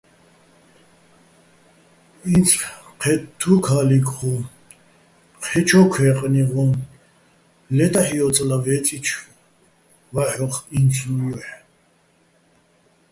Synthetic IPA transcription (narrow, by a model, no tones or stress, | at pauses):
int͡sʰqʰɛtt̪ʰːukʰaːlikʰʼχɔ̃ | qʰɛt͡ʃʰɔkʷʰwɛːqʼniʁɔ̃ | lɛt̪ʼaħijɔt͡sʼlavɛt͡sʼit͡ʃʰ | vaħɔχint͡sʰuħ